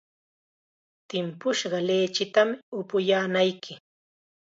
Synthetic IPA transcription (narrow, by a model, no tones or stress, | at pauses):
t̪ɪmpʊʃɢɑleːt͡ʃɪt̪amɪʊpʊjaːnajkʰɪ